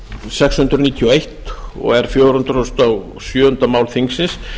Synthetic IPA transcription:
sɛkshʏnt̪ɾʏniːt̪ʰiɔejht̪ɔ̰ɣɛɾ̥fjowɾ̥hʏnt̪ɾɔst̪aw | sjœːhʏnt̪amaːwlθiŋksɪns

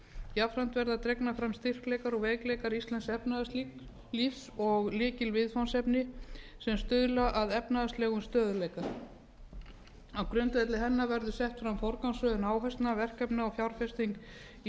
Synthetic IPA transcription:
jafɾan̥t̪vɛɾðat̪ɾɛjknafɾamst̪ir̥klɛːjkaɾɔɣveːjklɛjkaɾist̪lɛnsɛpnaði | lifsɔɣlɪːcɪlvɪðfansɛpnɪsɛmst̪ʏðlaʔaðɛpnaðast̪lɛːɣʏmst̪œːðʏlɛjka | awkɾʏnt̪vɛjt̪lɪɦɛnːavɛɾðʏsɛht̪fɾamfɔɾkansœðʏnaːwɦajst̪navɛr̥kɛpnaɔfjawɾ̥fɛst̪iŋk | i

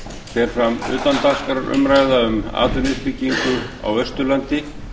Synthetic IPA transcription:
fɛɾ̥fɾamʏ̰ːt̪ant̪al̥kaɾʏ̰mɾaːjðaʏma̰ːt̪ʰʏnɪspɪcːiŋkʏa̰wœst̪ʏlant̪ɪ

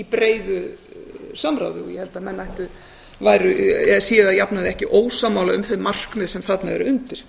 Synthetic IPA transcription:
ipɾeːjðʏ | sœmɾa̰wðɪ̰ɔjɛhɛlt̪amɛnːajht̪ʏ | vajɾʏɛsiːɪðaðjapnaðɪɛhcɪʔoːwsaːmːaːwlaʏmθemar̥kmɛðsɛmθat̪naɛ̰ɾʏʏnt̪ɪɾ̥

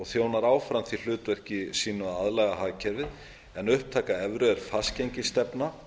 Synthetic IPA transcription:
ɔɣθjoːwnaɾaːwfɾamnθil̥ʏːt̪vɛr̥cɪsiːnʏaaðlɛɣaɦaːcʰɛɾvɪð | ɛnʏhp̚t̪ʰaːkaɛvɾʏɛɾ̥fascejɲcɪst̪ɛpna

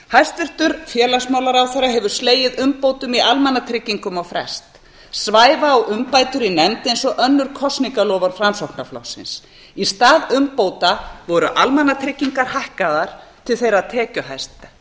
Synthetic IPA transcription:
hajst̪ʏr̥t̪ʏɾfjɛːlansmawlaɾawθaɾaɦɛvʏɾ̥sleːjɪðʏmpoːwt̪ʏmiʔalmɛnat̪ʰɾɪcːiŋkʏmawfɾɛ̰st̪ | svaːjvaːwʏmpaːjt̪ʏɾinɛmt̪ejnsɔʔœnːʏɾ̥kʰɔst̪niŋkalɔːvaɾ̥fɾansowhknaflɔ̰wsɪ̰ns | ist̪aːðʏmpowt̪avɔɾʏʔalmɛnːat̪ʰɾɪcːiŋkaɾ̥hajhkaðaɾ̥t̪ʰɪlθejɾaðt̪ʰɛːcʏɦajst̪

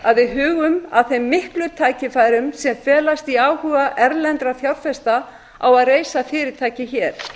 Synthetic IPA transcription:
aðvɪðɦʏːɣʏma̰ðθejmːɪhklʏt̪ʰaːjcɪfaːjɾʏmsɛmfɛːlast̪iaːwhʏːɣaʔɛɾlɛnt̪ɾaθjawɾ̥fɛst̪a | a̰waðreːjsafɪːɾɪɾ̥t̪ʰaːjcɪçɛːɾ̥

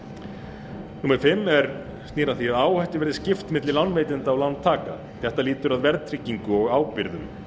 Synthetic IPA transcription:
nuːmɛɾʏ̥fɪmːɛɾ | st̪niːɾaθiaðaːwhɛht̪ɪvɛɾðɪscɪft̪mɪt̪lɪlawnːveːjt̪ɪnt̪aːwlant̪ʰːaːka̰ | θɛht̪aliːt̪ʏɾaðvɛɾðt̪ʰɾɪcːiŋkʏɔɣaːwpɪɾðʏm

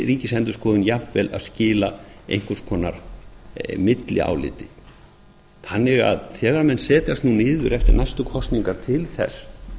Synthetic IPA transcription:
ɾiːcɪsɛnt̪ʏ̥skʰɔːðʏnjafvɛla̰ðscɪːlaḛjŋ̥kaskʰɔːna̰ɾ | mɪt̪lɪ̰a̰ːwlɪ̰ːt̪ɪ | θanːɪɣa̰ðθjɛːɣaɾmɛnːsɛːt̪jast̪nunɪːðʏɾɛft̪ɪɾnajst̪ʏkʰɔst̪niŋkaɾ̥t̪ʰɪlθɛ̰s

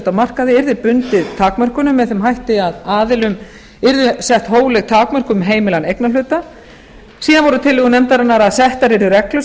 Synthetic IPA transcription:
t̪awmar̥kaðɪɪɾðɪpʏnt̪ɪðt̪ʰaːkmœr̥kʏnʏmːɛðθɛmɦajht̪ɪaðaːðɪlʏm | ɪɾðʏsɛht̪hoːwlɛɣt̪ʰaːkmœr̥kʏmɦeːjmɪlanejknalʏːt̪a | siːðanvɔɾʏt̪ʰɪlːɪːɣʏnɛmt̪aɾɛnːaɾaðsɛht̪aɾɪɾðʏɾɛklʏ

